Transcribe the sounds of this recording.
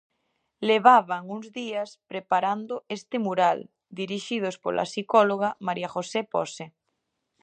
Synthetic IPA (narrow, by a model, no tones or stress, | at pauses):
leβ̞aβaŋuŋzðiaspɾepaɾand̪ʊest̪ɪmuɾal | d̪iɾiʃið̞ospo̰lʔa̰sikɔloɣ̞amaɾiaxosepɔ̰se